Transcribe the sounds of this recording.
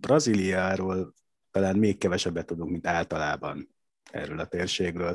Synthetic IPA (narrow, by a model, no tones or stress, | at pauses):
brɒziːlijɒaɾoːl | t̪ɒlaːnmeːkːɛvɛʃɛbːɛt̪ːud̪uŋkmint̪aːlt̪ɒlaːbɒ̰n | ɛ̰ːrøːlɒt̪eːrʃeːɡrøːl